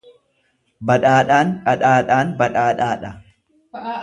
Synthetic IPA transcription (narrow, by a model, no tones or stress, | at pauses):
bɐᶑaːᶑaːnᶑʼɐᶑaːᶑaːnbɐᶑaːᶑaːᶑɐ